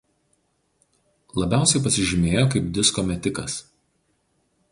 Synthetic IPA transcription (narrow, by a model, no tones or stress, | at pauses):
lˠɐbʲæˑʊsʲɛɪpɐsʲɪʒʲɪmʲeːjoːkɐɪp̚d̪ʲɪskɔmʲɛt̪ʲɪkɐs